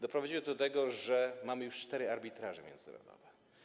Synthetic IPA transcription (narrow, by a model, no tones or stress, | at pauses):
d̪ɔpɾɔvad͡ʑiwɘd̪ɔt̪ɛɡɔʐɛmamɘjuʂt͡ʂt̪ɛɾɘaɾbʲit̪ɾaʐɛmʲjɛ̰nd̪zna̰ɾɔ̰d̪ɔ̰vɛ